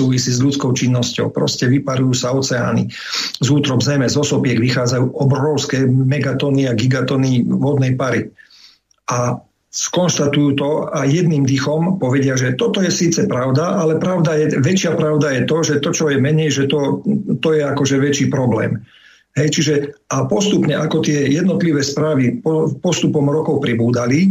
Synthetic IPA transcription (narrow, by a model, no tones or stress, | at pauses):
uːʋisiːzʎut͡skɔʊt͡ʃinːɔscɔ̰ʊpɾɔ̰scɛʋipaɾujuːsaɔt͡sɛa̰ːnḭ | zuːt̪ɾɔbzɛjmɛzɔsɔpɪɛɡʋixaːd͡zajuːʔɔbɾɔʊskɛːmɛɡat̪ɔniaɡiɡat̪ɔniʋɔd̪nɛjpaɾi | a | skɔnʃt̪at̪ujuːt̪ɔajjɛd̪niːmd̪ixɔmpɔʋɛɟɪaʒɛt̪ɔt̪ɔjɛsiːt͡sɛpɾaʊd̪aʔalɛpɾaʊd̪ajɛʋɛt͡ʃɪapɾaʊd̪ajɛt̪ɔʒɛt̪ɔt͡ʃɔjɛmɛɲɛjʒɛt̪ɔt̪ɔjɛakɔʒɛʋɛt͡ʃiːpɾɔblɛ̰ːm | ɦɛjt͡ʃiʒɛapɔst̪upɲɛʔakɔt̪ɪɛjɛd̪nɔt̪liʋɛːspɾaːʋipɔpɔst̪upɔmɾɔkɔʊpɾibuːd̪ali